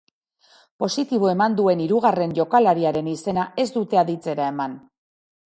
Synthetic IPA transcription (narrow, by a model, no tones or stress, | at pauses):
po̞sit̪iβ̞o̞e̞mand̪ue̞niɾuɣ̞are̞nʝo̞kalaɾiaɾe̞nise̞naʔe̞zd̪ut̪e̞aðit͡se̞ɾae̞man